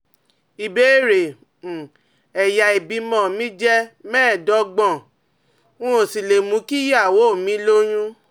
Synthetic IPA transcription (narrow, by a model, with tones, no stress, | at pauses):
i˨be˦ɾe˨ | ɛ˨ja˨i˨bi˨˧mɔ̃˨mĩ˦d͡ʒɛ˦mɛ̃ː˦˨dɔ˨˦ɡ͡bɔ̃˦˨ | wũ˦o˨si˨le˨mũ˨˦ki˦ja˦˨wo˦˨mĩ˨˦lo˦j̃ũ˦